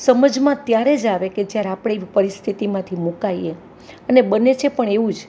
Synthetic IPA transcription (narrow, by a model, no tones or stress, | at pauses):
səməd͡ʒmãt̪jaɾed͡ʒaʋeked͡ʒjaɾeapɽ̃eipəɾist̪ʰit̪imãt̪ʰimukaie | ənebənet͡ʃʰepəɳeʋũd͡ʒ